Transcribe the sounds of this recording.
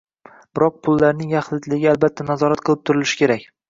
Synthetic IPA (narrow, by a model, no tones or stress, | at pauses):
b̥ɪɾɒq̚pʰʊlˠːaɾnɪŋjɑχlˠɪt̪lɪɡʲɪalˠbat̪ʰːanazɒɾat̪̚qʰɨlˠɪp̚t̪ʰʊɾɪlɪʃɪ̥kʲʰeɾakʲ